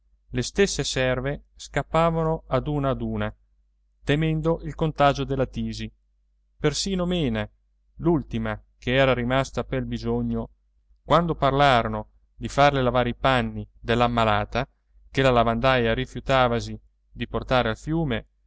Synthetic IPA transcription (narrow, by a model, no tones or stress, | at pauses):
lest̪esːesɛrveskapːaːvanoad̪uːnaːd̪uːna | t̪emɛnd̪oʔilkont̪aːd͡ʒod̪elːat̪iːzi | persiːnomeːna | lult̪imakeɛːɾaɾimast̪apelbizoɲːo | kwand̪oparlaːɾono | d̪ifarlelavaːɾeipanːid̪elːamːalaːt̪a | kelalavand̪ajaɾifjut̪aːvazi | d̪iport̪aːɾealfjuːme